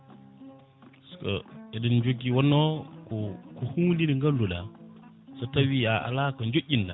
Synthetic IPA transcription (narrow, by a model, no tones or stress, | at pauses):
sko̰edind͡ʒoɡiwonːokukuhulidiŋɡalːula | satawiaa̰lakand͡ʒoʔʲinda